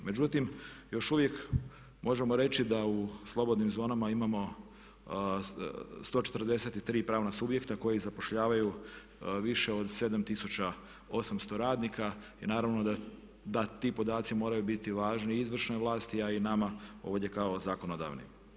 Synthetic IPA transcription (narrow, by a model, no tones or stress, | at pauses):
me̞d͡ʑut̪imjo̞ʃuʋje̞k | mʔo̞ʒe̞mo̞ɾe̞t͡ʃid̪auslˠo̞bo̞d̪nimzo̞ːnamaimamo̞ | st̪o̞ːt͡ʃe̞t̪ɾrd̪e̞set̪it̪ɾiːpɾaːʋnasubje̞kt̪ako̞jizapo̞ʃʎaːʋaju | ʋiʃe̞o̞d̪se̞d̪amt̪isut͡ɕa | o̞samst̪o̞ɾaːd̪nikainaːɾaʋno̞d̪a | d̪at̪iːpo̞d̪aːt̪simo̞ːɾajubit̪iʋaːʒniizʋr̩ʃno̞jʋlˠaːst̪iainamao̞̰ʋʎe̞kao̞zaːko̞no̞d̪a̰ːʋnḭ